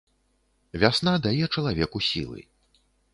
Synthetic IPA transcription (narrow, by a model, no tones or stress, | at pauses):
vʲasnad̪ajɛt͡ʂɐlˠavʲɛkusʲḭlˠɨ̰